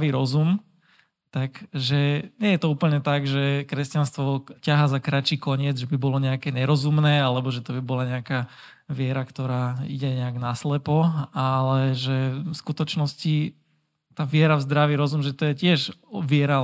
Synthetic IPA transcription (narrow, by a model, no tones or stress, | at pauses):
ʋiɾɔzum | t̪aɡʒɛɲɛjɛt̪ɔuːpl̩ɲɛt̪aɡʒɛkɾɛscanst̪ʋɔcaɦaːzakɾat͡ʃiːkɔɲɪɛd͡zʒɛbibɔlɔɲɛakɛːɲɛɾɔzumnɛːalɛbɔʒɛt̪ɔbibɔlaɲɛaka | ʋɪɛɾakt̪ɔɾaːḭɟɛɲɛaɡnaslɛpɔalɛʒɛfskut̪ɔt͡ʃnɔsci | t̪aːʋɪɛɾavzd̪ɾaʋiɾɔzumʒɛt̪ɔjɛcɪɛʒʋɪɛɾa